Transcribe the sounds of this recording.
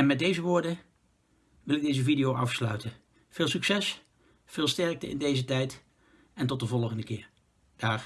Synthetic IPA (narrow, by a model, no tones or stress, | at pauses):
ɛnmɛt̚dejzəʋʊːɹdə | ʋɪlˠɪɡ̚dejzəvidijowʔɑfslœ̰ɥtə | v̥ɪːlˠsyksɛs | fɪːlˠstɛɹk̚təɪ̰ndejzətɛjt | ɛntɔt̚dəvɔlˠχəndəkɪːɹ | d̥aːɹ